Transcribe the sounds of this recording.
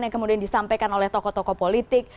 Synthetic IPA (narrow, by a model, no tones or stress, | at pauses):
nekəmudiandisampekanolɛht̪ɔkɔt̪ɔkɔpolit̪ɪk̚